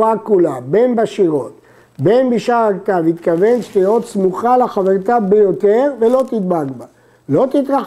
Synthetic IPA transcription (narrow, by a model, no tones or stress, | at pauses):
akulabe̞nbaʃiʁo̞t̪ | be̞nbiʃaʁakt̪avit̪kave̞nʃt̪ijot̪smuχalaχaveʁt̪abejo̞t̪eʁvelo̞t̪id̪baɡba | lo̞t̪it̪ʁa